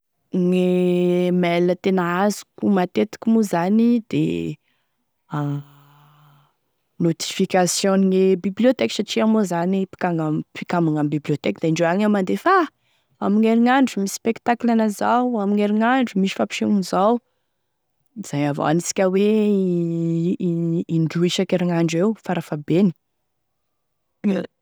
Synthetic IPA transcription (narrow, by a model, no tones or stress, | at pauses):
ŋemɛlːət̪enazu̥kumat̪et̪i̥kʲimuzanid̪ḛ | not̪i̥fikasjõniŋebibliot̪eksaʈ͡ʂiamozanipi̥kaŋapikamaŋamibibliot̪ekd̪eiɳɖ͡ʐoaŋamand̪efa | amiŋeɾiŋaɳɖ͡ʐumispekt̪aklanəzawamiŋeɾiŋaɳɖ͡ʐumiʃi̥fapi̥ʃeŋunizaw | z̥ajavo̰a̰nisi̥kʲawe | iɳɖ͡ʐuiʃakeɾiŋaɳɖ͡ʐewfaɾafabeni̥